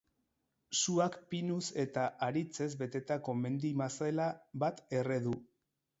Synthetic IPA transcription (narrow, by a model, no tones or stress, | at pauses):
suakpinuse̞t̪aʔaɾit͡se̞zbe̞t̪e̞t̪ako̞me̞nd̪imasaelaβat̪e̞re̞ðu